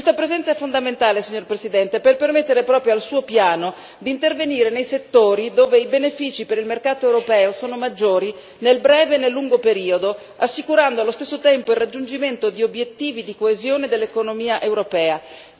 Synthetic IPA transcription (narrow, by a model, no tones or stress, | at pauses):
kwest̪apɾezɛnt̪saɛfːond̪ament̪aːlesiɲːorpɾezid̪ɛnt̪eperpermet̪ːeɾepɾɔːpɾjoalsuːopjaːno | d̪iːnt̪erveniːɾenejset̪ːoːɾid̪oːveibenefiːt͡ʃipeɾilmerkaːt̪oewɾopɛːosoːnomad͡ʒːoːɾi | nelbɾɛːveːnːelːuŋɡopeɾiːod̪o | asːikuɾand̪oalːost̪esːot̪ɛmpoilrːad͡ʒːund͡ʒiment̪od̪iobjet̪ːiːvid̪ikoezjoːned̪elːekonomiːaʔewɾopɛːa